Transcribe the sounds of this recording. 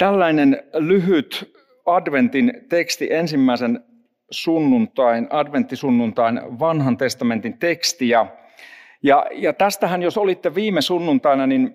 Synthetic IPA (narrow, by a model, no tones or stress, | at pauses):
t̪ælːæinenlyɦyt̪ | ɑdʋent̪int̪ekst̪iʔensimːæisen | sunːunt̪ɑinɑdʋent̪ːisunːunt̪ɑinʋɑnhɑnt̪est̪ɑment̪int̪ekst̪ijɑ | jɑjɑt̪æst̪æhænjosolit̪ːeʋiːmesunːunt̪ɑinɑnin